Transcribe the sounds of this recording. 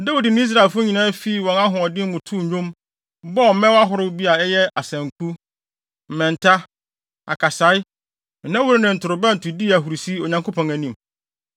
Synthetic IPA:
da˦wu˨dɪ˨nʊ̃˦i˦s̬ɾa˨e˨lfʊ˦ɲĩ˨nãː˦fi˦˨wɔ̃˨ŋã˦ɦʊ̃˨ɔ˨dɪ˦m˦mʊ̃˨tʰu˦˨˦õ˦m | bɔ˦˨mɛ̃˦wa˦ɦʊ˨ɾɪ˦bi˦a˨ɛ˦jɛ˦a˨sɛ̃˨ŋkʰu˦ | m̩˨mɛ̃˨ntʰa˦ | a̰˨kʰa˨sa˨˦ɪ˦˨ | nːã˦wʊ˦ɾɪ˦nɪ̃˨n̩˨tʰʊ˨ɾʊ˨bɛ̃˦n̩˨tʊ˨di˦æ˨ɦu˨ɾi˨si˦o˨ɲã˨ŋkʰo˦pʰɔ̃˨ŋæ˨nĩ˨m

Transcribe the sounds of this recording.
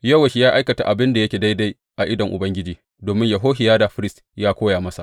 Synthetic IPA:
jɐ˦˨wɐ˨ʃi˨jaː˦ʔa˦jkɐ˨ta̰˨ʔa˨bɪ˦nda˨jɐ˦kʲeː˨da˦jda˦j | ʔa˨ʔɪ˦dɐ˨ŋʔʊ˨bɐ˦ŋɡʲɪ˦d͡ʒiː˨ | doː˨mɪ˦ɲjɐ˨ɦoː˦ɦɪ˨jaː˦da˨ɸɪ˦ɾɪ˦st | jaː˦kʷoː˦jaː˨mɐ˦sa̰˨

